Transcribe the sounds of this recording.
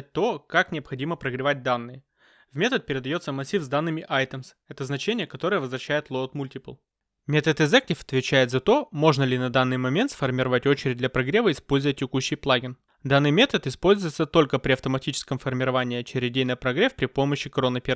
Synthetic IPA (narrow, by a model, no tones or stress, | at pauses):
t̚ʲt̪o̞kaknʲɪɐpxɐdʲiməpɾəɡɾʲɪvat̚ʲd̪anːɨjə | vmʲe̞t̪ət̪̚pʲɪɾʲɪd̪ɐjo̞t̪səmɐsʲːifzd̪anːɨmʲɪʔajt̪əms | ɛt̪əznɐt͡ɕenʲɪjəkɐt̪o̞ɾɨjəvəzvɾɐɕːæjɪt̪lˠot̪mulʲtʲɪplˠ | mʲet̪ət̪ɨzɛk̚tʲɪfɐ̥t̪vʲɪt͡ɕæjɪt̪zɐt̪o̞mo̞ʐnəlʲɪnɐd̪anːɨjmɐmʲe̞nt̪sfərmʲɪɾɐvatʲo̞t͡ɕɪɾʲɪd̚ʲd̪ʲlʲɐpɾɐɡɾʲe̞vəɪspo̞lʲzəvət̚ʲːɪkuɕːɪjplˠaɡʲɪn | d̪anːɨjmʲe̞t̪ət̪ɪspo̞lʲzʊjɪt̪sət̪o̞lʲkəpɾʲɪɐft̪əmɐtʲit͡ɕɪ̥skəmfərmʲɪɾɐvanʲɪːt͡ɕɪɾʲɪdʲejnəpɾɐɡɾʲefpɾʲɪpo̞məɕːɪkɾo̞nəpʲɪɾ